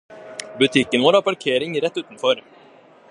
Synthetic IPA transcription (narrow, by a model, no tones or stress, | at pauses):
bɵt̪ʰiːkːənvoːɾapʰaɾkʰeːɾɪŋɾɛt̪ːʉ̟ːt̪anfœːɾ